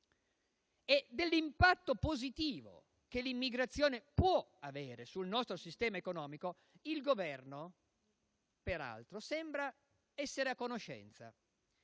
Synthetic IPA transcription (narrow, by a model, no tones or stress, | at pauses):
ɛd̪elːimpat̪ːopozit̪iːvo̰ | kelimːiɡɾat̪sːjoːnepwɔaveːɾesulnɔst̪ɾosist̪ɛːmaekonɔːmiko | ilɡovɛrno | peɾa̰lt̪ɾosɛmbɾa | ɛsːeɾeakːonoʃɛ̰nt̪sa̰